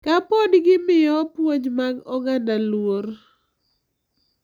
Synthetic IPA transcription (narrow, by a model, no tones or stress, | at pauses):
kapɔdɡɪmɪjɔpwoɲmaɡɔɡandalwor